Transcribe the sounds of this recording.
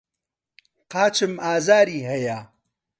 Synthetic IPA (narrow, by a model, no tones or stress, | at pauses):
qaːt͡ʃɨmaːzaːɾiːɦɐja